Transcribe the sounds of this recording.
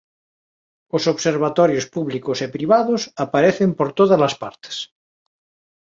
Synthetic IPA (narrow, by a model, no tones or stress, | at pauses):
osoβseɾβ̞at̪ɔɾjospuβlikosepɾiβaðosapaɾeθempoɾt̪oðazlaspa̰ɾt̪e̥s